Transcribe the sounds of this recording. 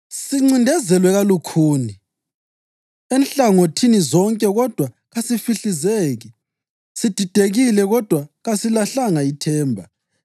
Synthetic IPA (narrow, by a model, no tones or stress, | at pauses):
siŋ͡ǀindʱɛzɛlwɛɣalukʰuːni | enɬaŋotʰinizɔŋkʼɛɣɔd̥ʱwa | ɣasifiɬizeːɣi | sid̥ʱid̥ʱeɣilɛɣɔd̥ʱwaɣasilaɬaŋaitʰɛːmbʱa